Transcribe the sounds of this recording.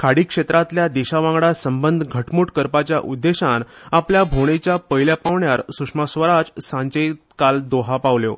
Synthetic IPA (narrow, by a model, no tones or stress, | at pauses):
kʰaɽiːkʂet̪ɾat̪ljad̪eɕaʋãŋɡɽasəmbənd̪ʱɡʱəʈmuʈkəɾpat͡ɕja̰ʔud̪ːeɕanapljabʱoɽ̃et͡ɕjapəɦiljapaʋɳjaɾsukʂmasʋəɾad͡zsãɲt͡ɕəjt̪kald̪oɦapaʋljo